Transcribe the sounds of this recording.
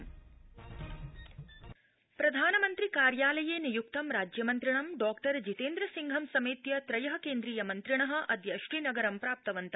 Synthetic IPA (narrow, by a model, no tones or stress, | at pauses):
pɾɐd̪ʱaːnɐmɐnt̪ɾikaːɾjaːlɐjeːnijuk̚t̪ɐmɾaːd͡ʒjɐmɐnt̪ɾiɳɐmɖaːkʈɐɾd͡ʒit̪eːnd̪ɾɐsiŋɡʱɐmsɐmiːt̪jɐt̪ɾɐjɐɦɐ̆keːnd̪ɾiːjɐmɐnt̪ɾiɳɐɦɐ̆ʔɐd̪ʱjɐʃɾiːnɐɡɐɾɐmpɾaːp̚t̪ɐʋɐnt̪ɐ